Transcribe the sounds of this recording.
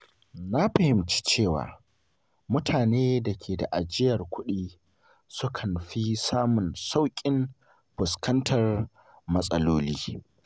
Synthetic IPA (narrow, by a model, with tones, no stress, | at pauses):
na˦ɸa˨hɪ˨mt͡ʃi̥˦t͡ʃeː˦˨wa̰ː˨ | mʊ˦tʰaː˨neː˦da˨kʲʰeː˨da̰˨ʔa˨d͡ʒɪ˦jɐ˨rkʷʊ˦ɗiː˦ | sʊ˦kʰɐ˨nɸi˦saː˦mʊ˨nsa˦wkʲʼɪ˦m | ɸʊ˨skɐ˦ntʰɐ˨r | mɐ˨sʼɐ˦loː˦liː˦